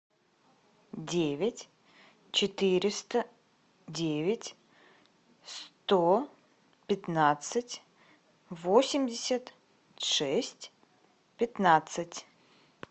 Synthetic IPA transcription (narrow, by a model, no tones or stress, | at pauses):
dʲevʲɪtʲ | t͡ɕɪt̪ɨɾʲɪst̪ə | dʲevʲɪtʲ | st̪o | pʲɪt̪nat̪sɨtʲ | vosʲɪmʲdʲɪsʲət̪ | ʂɛsʲtʲ | pʲɪt̪nat̪sɨtʲ